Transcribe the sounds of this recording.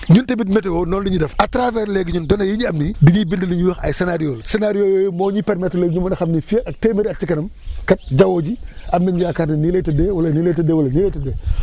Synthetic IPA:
ɲuntɐbitmɛtɛwɔnɔːndiɲidɛfɐtɾavɛɾlɛːɡiɲundɔnɐjiɲiɐmnidiɲibindəliɲiwɐxɐ̰jsɛnaːɾijoːlsenaɾijoːjoːjmɔːɲipɛɾmɛtlɛːɡɲumɐnɐxɐmnifiɐk̚teːmɐɾiɐt͡ʃikɐnɐmkɐt̚ɟɐwoːɟiɐmnɐɲijaːkaːtninilɛtɐdɛwɐlɐniletɐdɛwɐlɐnilɛtɐdɛː

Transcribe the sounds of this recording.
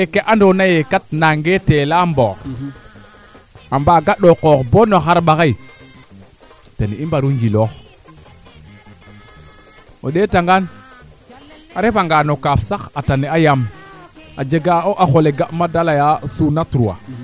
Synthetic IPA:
ekeʔandonajekat̚naŋɡetelambox | ambaɡaɗokokbonoxaɾɓakai | tenimbaɾuŋɡilox | o̰ɗetaŋɡan | aɾefaŋɡanokafsakataneajam | ad͡ʒeɡaoʔaxoleɡaʔmadalajasunatɾua̰

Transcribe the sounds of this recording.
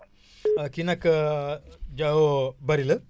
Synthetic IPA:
kinɐk | d͡ʒaɦobɐɾilə

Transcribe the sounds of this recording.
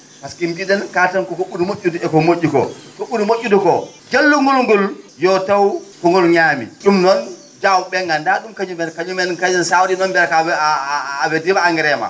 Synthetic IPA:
paskimbidɛnkatankɔkɔɓunumoʔʲːuduɛkɔmoʔːukɔ̰kɔɓunumoʔʲːudukɔd͡ʒelːuŋɡulŋɡuljɔtawkɔŋɔlɲaːmḭɗumnɔn | d͡ʒawɓɛŋɡandaɗumkaɲumɛnkaɲumɛnkad͡ʒɛnsawdinɔnbɛɾakaː | bɛdibaːŋɡɛɾɛma̰

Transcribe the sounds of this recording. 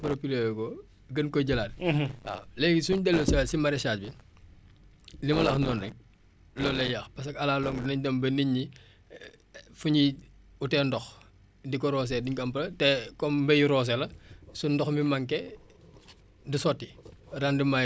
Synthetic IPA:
pɐɾɐpilɛjkɔ | ɡɐnkɔɟɐlaːt̚a̰lɛɡisuɲdɛlːosɐsimɐɾɛʃaːt̚bi | limɐlɐxnɔːnːɛk̚ | lɔlɐjɐxpɐs̬ɐkɐlaːlɔŋdinɐɲdɐmbɐniɲːi | fuɲi | utɛndɔx | dikɔɾɔːs̬ɛdiɲkɐmpɐlɐtɛkɔmbɐjɾɔːs̬ɛlɐsundɔxmimɐŋkɛ | disɔtːirandima

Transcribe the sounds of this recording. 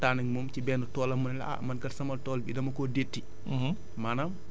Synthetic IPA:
taːnɐŋmɔmcibɛːnutɔːlɐmɐnlɐ̰a̰mɐnkɐlsɐmɐltɔːlbidɐmɐkɔdetːi | maːnɐm

